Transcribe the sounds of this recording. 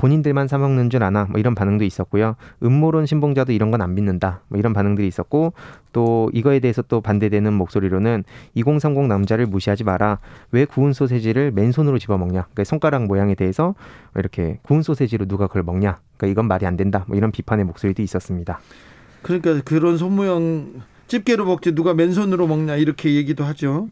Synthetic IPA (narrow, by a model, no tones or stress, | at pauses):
poɲindɯɭmansʰamwaŋnɯnd͡ʑunanamwʌiɾʌnpanɯŋdois͈ʌt̚k͈ojoɯmːoɾonɕʰimboŋd͡ʑadoiɾʌnɡʌnanminːɯndamwʌiɾʌnpanɯŋdɯɾiːs͈ʌt̚k͈ot͈oiɡʌe̞deesʰʌt͈opande̞dwenɯnmok̚s͈oɾiɾonɯniɡoŋsʰaŋɡoŋnamd͡ʑaɾɯɭmuɕʰiɦad͡ʑimaɾawe̞kuɯnsʰos̬ʰe̞d͡ʑiɾɯɭme̞nsʰonɯɾot͡ɕibʌmʌŋɲaɯk͈asʰoŋk͈aɾaŋmojaŋe̞de̞ɦesʰʌiɾʌkʰe̞̰kuːnsʰosʰed͡ʑiɾonuɡakʌɭmʌŋɲa | k͈aiɡʌnmaɾiandwe̞ndamwʌiɾʌnpipʰane̞mok̚s͈oɾidois͈ʌs͈ɯmɲida | kɯɾɲik͈akɯɾʌns̬ʰʌmujʌŋ | t͡ɕ͈ip̚k͈e̞ɾomʌk̚t͡ɕ͈inuɡame̞nsʰonɯɾomʌŋɲaiɾʌkʰe̞je̞ɡidoɦad͡ʑo